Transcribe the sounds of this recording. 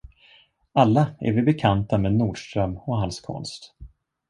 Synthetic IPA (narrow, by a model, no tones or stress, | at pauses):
alːaɛ̰ɾvɪbɛkʰant̪ameːd̪nuːɖʂt̪ɾœmːɔɦalskʰɔ̰nst̪